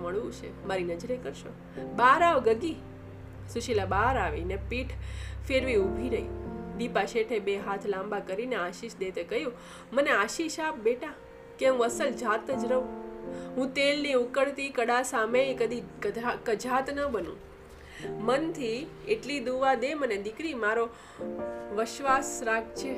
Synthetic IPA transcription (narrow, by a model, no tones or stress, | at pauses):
məɭũt͡ʃʰḛmaɾinəd͡ʒɾekəɾʃo̰ | baɾaʋɡəɡi | suʃilabaɾaʋḛnepiʈʰfeɾʋiubʱiɾəid̪ipaʃeʈʰebeɦat̪ʰlãmbakəɾineaʃiʃd̪et̪ekəɦjũ | məneaʃiʃap̚beʈa | keɦũəsəld͡ʒʱat̪əd͡ʒɾəũɦũt̪elniʊkəɽt̪ikəɽasameikəd̪ʱikəakəd͡ʒʱat̪nəbənṵ̃ | mənt̪ʰieʈlid̪uʋad̪eməned̪ɪkɾimaɾo | ʋɪʃʋasɾak̚t͡ʃʰe